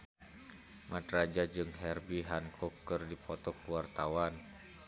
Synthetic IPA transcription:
madrad͡ʒad͡ʒɨŋɦɛrbiɦankʰɔkːɨrdipɔt̪ɔkuwart̪awan

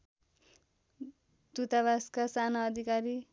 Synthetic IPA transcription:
t̪ut̪aβaskasanaːd̪ʱikaɾi

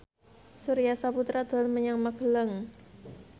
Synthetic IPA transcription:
suɾijasaput̪ɾad̪̥ɔ̤lməɲaŋmaɡ̥ələŋ

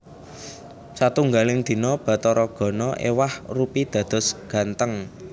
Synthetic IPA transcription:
sat̪uŋɡalɪŋd̪̥i̤nɔb̥ä̤t̪ɔɾɔɡ̥ɔ̤nɔʔḛwahrupid̪̥ä̤d̪̥ɔ̤sɡ̥ä̤nt̪əŋ

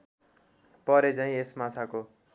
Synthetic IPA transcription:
pʌɾet͡saĩesmat͡sʰako

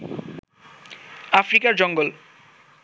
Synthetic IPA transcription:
afɾikaɾd͡ʑɔŋɡol

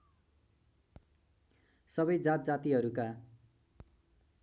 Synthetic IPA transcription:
sʌbʌjd͡zat̪̚d͡zat̪iɦʌɾuka

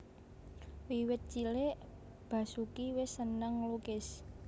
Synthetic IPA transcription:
wiwɪt̪̚t͡ʃileʔ | b̥a̤sukiwɪsːənaŋlukɪs

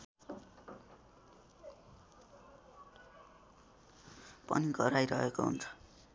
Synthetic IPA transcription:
pʌ̰niɡʌɾajɾʌ̰ɦekoɦṵnt͡sʰʌ̥

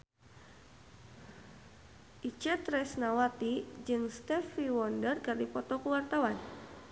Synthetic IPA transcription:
ʔit͡ʃɛt̪ɾɛsnawat̪id͡ʒɨŋst̪ɛfiwɔndərkɨrdipɔt̪ɔkuwart̪awan

